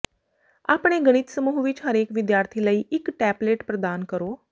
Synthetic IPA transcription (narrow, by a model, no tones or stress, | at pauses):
a̰ːpɽ̃eːɡəɽ̃ɪt̪səmuːɦʋɪt͡ʃɦəɾeːkʋɪd̪jaːɾt̪ʰiːləiːʔɪkʈɛːbleːʈpɾəd̪aːnkəɾoː